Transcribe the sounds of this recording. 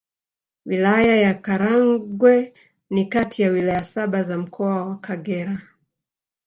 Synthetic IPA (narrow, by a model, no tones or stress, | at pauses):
wilajajakaɾaŋɡwɛ | nikatʰijawilajasaɓazam̩kʰɔawakaɡɛɾa